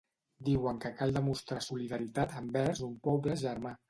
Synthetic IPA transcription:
d̪iwəŋkəkalˠd̪əmust̪ɾasuliðəɾit̪at̪əmbɛɾzumpɔβləʒəɾma

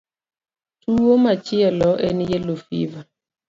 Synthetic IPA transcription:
tuomat͡ʃiɛlɔʔenijelofḭva

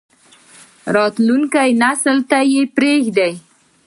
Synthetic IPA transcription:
ɾɑt̪luŋkajnasəlt̪ajepɾexd̪aj

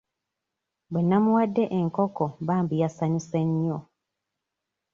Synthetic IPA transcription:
bwenːamuwadːe̞ʔeŋkokombaːmbijasaɲiseɲːo

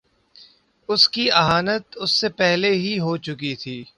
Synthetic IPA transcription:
ʊskiɐɦaːnət̪ʊsːepɛɦleɦiɦoːt͡ʃʊkit̪ʰiː

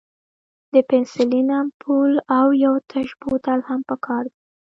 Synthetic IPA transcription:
d̪əpɪnsɪlinampʰulawjawt̪ʰaʃbut̪alhampəkʰɑɾd̪a

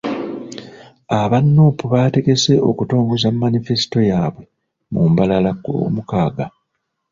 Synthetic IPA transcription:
aβanːupuβaːte̞ɡe̞se̞o̞̰kuto̞ːŋɡozamːanife̞si̥to̞jaːβwe̞ | mumbalalakomukaːɡa

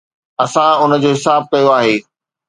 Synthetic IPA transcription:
ɐsãʊnə̆d͡ʑoːɦɪsaːb̚kɐjoaːɦeː

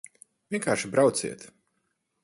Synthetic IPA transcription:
vʲiɛŋkaːɾʃibɾawt̪sḭɛt̪

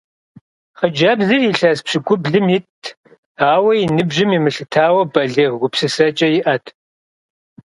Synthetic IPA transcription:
χəd͡ʒɐbzɨiɬɐspɕɪɡʷʼʊbɮɨmitʰ | aːwɐjinɨbʒɪmimɨɬɨtʰaːwɐbɐɮiːʁɡʷʊpsɨsɐt͡ʃʼɐjɪʔɐtʰ

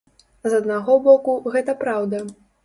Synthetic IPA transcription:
zɐd̪naɣɔbɔkuɣɛt̪ɐpɾawd̪ɐ

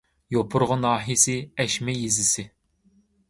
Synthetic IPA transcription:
jopʰʊɾʁənɑːɦisɪɛʃmɛjizɪsɪ

